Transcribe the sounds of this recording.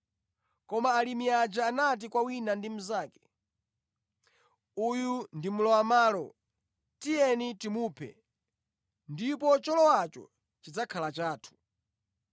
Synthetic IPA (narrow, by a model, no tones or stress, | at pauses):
kɔmaːlimiad͡ʒaːnat̬ikwawinandim̩zaːkɛ̥ | ujundimulɔwamaːlɔ̰ | tijɛnitimuːpʰɛ̰ | ndip̬ɔt͡ʃɔlɔwat͡ʃɔ̰ | t͡ʃid͡zakʰalat͡ʃaːtʰu̥